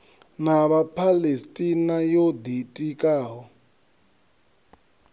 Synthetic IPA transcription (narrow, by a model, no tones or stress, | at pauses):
naβapʰalestʼinajod̪itʼikʼaːɦɔ